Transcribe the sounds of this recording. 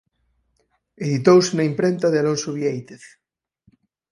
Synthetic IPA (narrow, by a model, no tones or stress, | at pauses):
eðit̪owsenɐimpɾent̪aðealonsoβiejt̪eθ